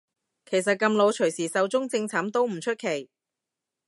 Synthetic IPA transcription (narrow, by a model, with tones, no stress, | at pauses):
kʰe˨˩js̬ɐ˨t̚kɐ˧mlo˨˧wt͡ʃʰɵ˨˩ɥjsiː˨˩sɐ˨˧wt͡sʊ˥ŋt͡sɪ˧ŋt͡sʰɐː˨˥mt̪o˥wm̩˨˩t͡ʃʰɵ˥t̚kʰe˨˩j